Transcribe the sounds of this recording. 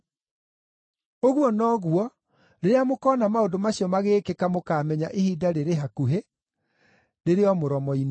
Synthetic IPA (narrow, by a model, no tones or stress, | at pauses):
oɣwɔnɔːɣwɔ | ɾeɾeamokɔːnamaondomaɕiɔmaɣeːkekamokaːmɛɲa̰ʔehidaɾeɾeɦakuɦe | ɾeɾeɔmoɾɔmɔin